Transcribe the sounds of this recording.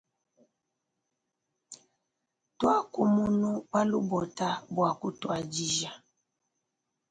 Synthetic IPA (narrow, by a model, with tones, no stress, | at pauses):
twa˦ku˦mu˦nu˦ba˦lu˦bɔ˨ta˦bwa˨ku˦twa˨d͡ʒi˦ʒa˨